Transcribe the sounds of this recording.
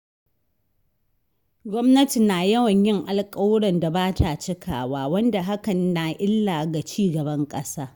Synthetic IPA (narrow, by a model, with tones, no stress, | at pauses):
ɡʷɔ˦mnɐ˦ti˨naː˨jɐ˦wɐ˨ɲjɪ˦ŋʔa˨lkʼɐ˦wɽɐ˨nda˨baː˦tʰa˨t͡ʃɪ˦kʰa̰ː˨waː˦wɐ˦nda˨ɦa˦kɐ˨nnaː˨ʔɪ˦lːa˨ɡa˨t͡ʃiː˦ɡɐ˨bɐ˦ŋkʼɐ˦saː˦